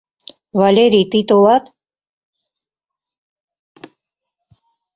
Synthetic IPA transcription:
vɑlʲeɾʲijt̪ɨjt̪olˠɑt̪

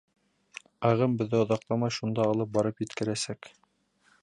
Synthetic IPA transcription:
ɑʁɤmbɵ̆ðːɘŏðɑqlˠɑmɑjʃund̪ɑːlˠɤp̚bɑɾɤpjɘ̆t̪kɘ̆ɾæsæk

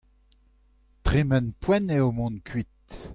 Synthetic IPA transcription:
tʁemɛnpwɛneomɔ̃nkʰɥit̚

